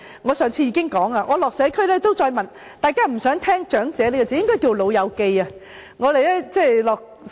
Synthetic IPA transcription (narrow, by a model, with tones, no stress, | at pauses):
ŋɔː˨˧sœː˨˩ŋt͡sʰiː˧jiː˨˧˥kɪ˥ŋkɔː˨˥ŋaː˧ŋʔɔː˨˧lɔː˨k̚sɛː˨˧˥kʰɵ˥ɥlɛː˥t̪o˥wt͡sɔː˧jmɐ˨n | t̪aː˨˩jkaː˥m̩˨˩sœː˨˥ŋt̪ʰɛː˥ŋt͡ʃœː˨˥ŋt͡sɛː˨˥ne˥kɔ˧˩ɛ˧˥jɪ˥ŋkɔː˥jki˧wlo˨˧wjɐ˨˧wke˧ja˧ | ŋɔː˨˧le˨jlɛː˥t͡sɛː˥˧˩lɔː˨k̚